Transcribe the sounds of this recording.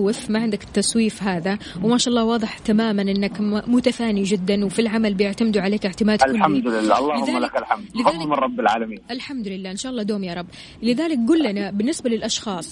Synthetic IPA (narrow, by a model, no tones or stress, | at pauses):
ɪfmaʕɪnd̪akɪ̥t̪ːɑsˤwiːfɦaːðawmaːʃaʔɑlːɑːwɑːðˤɨħt̪amaːmanʔɪnːakmʊt̪afaːnid͡ʒɪd̪ːanwfilʕamalbɪjɪʕt̪amd̪uʕaleːkɪʕt̪ɪmaːd̪lamd̪lɪlːaːɑlˤːɑːlɪʊðaːmːalkalħamd̪lɪfɑaːˤmɪrˤɾˤɑbːɪlʕaːlamiːʔalħamd̪lɪlːaːʔɪnʃaʔlːɑːd̪oːmjɑːɾˤɑbː | lɪðaːlɪk̚ɡuːlːanabɪnːɪsbalɪlʔɑʃxɑːsˤ